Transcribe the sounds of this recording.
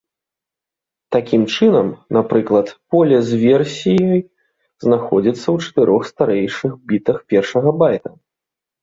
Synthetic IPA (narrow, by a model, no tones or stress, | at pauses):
t̪akʲimt͡ʂɨnɐmnapɾɨklˠɐt̪pɔlʲɐzʲvʲɛrsʲijɔj | znaxɔd͡zʲit̪sːɐwt͡ʂɐ̥t̪ɨɾʔɔxst̪aɾɛjʂɨxbʲit̪ɐxpʲɛrʂɐɣɐbajt̪ɐ